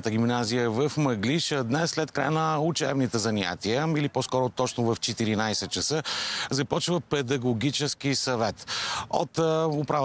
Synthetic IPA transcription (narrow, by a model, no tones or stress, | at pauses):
t̪əɡʲimnazijəvəfmɐɡliʃəd̪nɛsːlɛt̪kɾa̰jənəut͡ʃɛbnit̪ɛzɐnʲa̰t̪iəiliposkɔɾʊt̪ɔt͡ʃnʊvəft͡ʃɛt̪iɾinajsɛt̪̚t͡ʃəsəzɐpɔt͡ʃvəpɛd̪ɐɡoɡ̟ʲit͡ʃɛskisɐvɛt̪o̰t̪ʊpɾav